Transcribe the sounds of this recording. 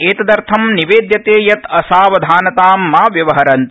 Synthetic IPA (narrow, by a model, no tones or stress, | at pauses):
eːt̪ɐd̪ɐɾt̪ʰɐmniʋeːd̪jɐt̪eːjɐt̪ɐsaːʋɐd̪ʱaːnɐt̪aːmːaːʋjɐʋɐɦɐɾɐnt̪